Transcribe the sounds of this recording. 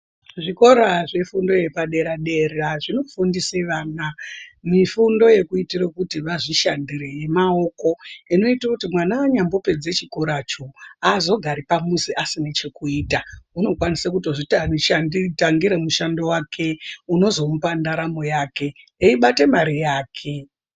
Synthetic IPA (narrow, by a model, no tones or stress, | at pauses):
ʐiko̞ɾaʐefundo̞je̞paɗe̞ɾaɗe̞ɾaʐino̞fundiseʋaːnamifundo̞je̞kuitirakutiʋaʐiʃandire̞je̞mao̞ko̞ino̞itakutimwanawaɲambo̞pe̞d͡ze̞t͡ʃiko̞ɾat͡ʃoazo̞ɡʱaɾipamusiʔasinet͡ʃe̞kuiːtauno̞kwanisakutoʐitaʃanitaŋɡiɾemuʃando̞wakʰe̞uno̞zo̞mupandaɾamojaːke̞ | iɓate̞maɾijaːkʰe